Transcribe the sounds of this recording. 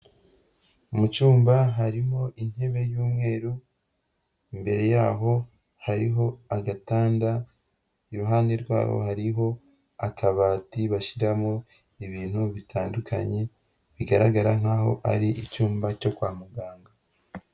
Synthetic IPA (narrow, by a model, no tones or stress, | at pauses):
umut͡ʃuːmbaɦaɾiɦo̞ʔin̥e̞βe̞juːmŋe̞ːɾu | imbe̞ɾe̞jaːɦo̞ | haɾiɦo̞aɡataːnda | iɾuɦaːnde̞ɾɡwa̰ːho̰haɾiɦo̞ | akʰaβaːtiβaʃiɾamo | iβiːn̥huβitʰaːndukʰa̰ɲe̞ | βiɡaɾaɡaɾaŋ̥aːho̞̰ʔa̰ɾiʔit͡ʃuːmbaco̞kwaːmuɡaːŋɡa